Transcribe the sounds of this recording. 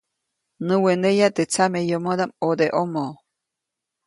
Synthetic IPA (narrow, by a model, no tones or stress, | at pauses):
nɨwenejat̪et͡samejomod̪amod̪eʔomo